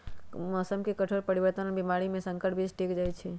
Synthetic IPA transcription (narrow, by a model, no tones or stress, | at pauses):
mɔːsəmkekəʈʰoɾpəɾiʋəɾt̪ənəbimaɾimẽsə̃ŋkəɾʈbʱid͡ʒʈʰikd͡ʒajt͡ʃʰɛ